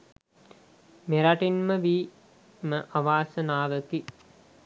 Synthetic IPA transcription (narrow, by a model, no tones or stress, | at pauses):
meɾaʈinməʋiː | məʔaʋaːsənaːʋəki